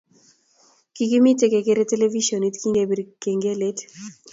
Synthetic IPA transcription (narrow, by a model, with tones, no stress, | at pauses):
ki˨ki˦mi˦te˦ke˨ke˦ɾe˦te˦le˦vi˦ʃo˨ni˦tki˦ŋɡe˨bi˨ɾke˨ŋɡe˦le˦t